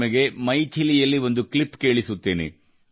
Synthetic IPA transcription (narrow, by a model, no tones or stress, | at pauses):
mɐɡe̞mɐjt̪ʰilijɐlːiʋo̞nd̪uklipke̞ːɭisut̪ːeːnḛ